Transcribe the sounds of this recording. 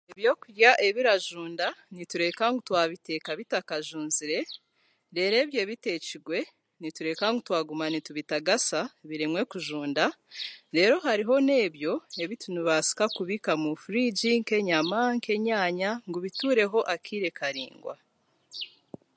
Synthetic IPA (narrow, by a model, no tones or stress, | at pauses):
eβjo̞ːkuɾjaʔe̞βiɾaʒuːndanituɾe̞kaŋɡutwaːβite̞kaβitakaʒuːnziɾe̞ | ɾe̞ːɾe̞ːβje̞ːβite̞ːciɡwe̞ | nituɾe̞kaŋɡutwaːɡumanituβitaɡasaβiɾemwe̞kuʒuːndaɾe̞ːɾo̞ɦaɾiɦo̞ne̞ːβjo̞e̞βitunuβasi̥kakuβikamufuɾiːɟiŋke̞ɲamaŋke̞ɲaːɲaŋɡuβituːɾe̞ɦo̞ʔakʰiːɾe̞kʰaɾḭːŋɡwa̰